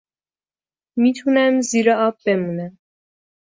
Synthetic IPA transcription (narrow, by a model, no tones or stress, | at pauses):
miːt̪ʰunæmziːɾɛɒːb̚ːemuːnæm